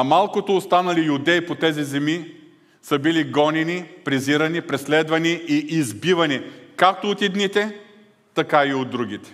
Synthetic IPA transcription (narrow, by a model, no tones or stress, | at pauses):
ɐmalˠkot̪oːst̪anɐlijʊd̪ɛipot̪ɛzizɛmi | səbiliɡɔnɛnipɾɛziɾɐnipɾɛslɛd̪vɐniiʔːzbivɐnikak̚t̪oːt̪id̪nit̪ɛ | t̪ɐkaiod̪ːɾuɡ̟ʲit̪ɛ̥